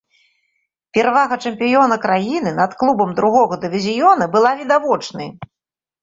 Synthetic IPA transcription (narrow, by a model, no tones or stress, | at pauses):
pʲɛɾavaɣɐt͡ʂɐmpʲijɔnɐkɾajinɨnɐt̪klˠubɐmd̪ɾuɣɔɣɐd̪ɨvʲizʲijɔnɐbɨlˠavʲid̪avɔt͡ʂnɐ̰j